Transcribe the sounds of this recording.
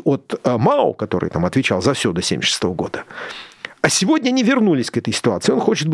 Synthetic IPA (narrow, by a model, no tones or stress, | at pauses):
ot̪maʊ̰kɐt̪o̞̰ɾɨ̰jt̪amɐt̪vʲɪt͡ɕalˠzɐfsʲod̪əsʲḛmʲɪ̰ʂɨ̥st̪o̞vəɡo̞̰d̪ə | ɐsʲɪvo̞dʲnʲəɐnʲɪvʲɪrnulʲɪsʲkɛt̪əjsʲɪ̥t̪ʊat̪sɨɪo̞nxo̞t͡ɕɪt̪̚b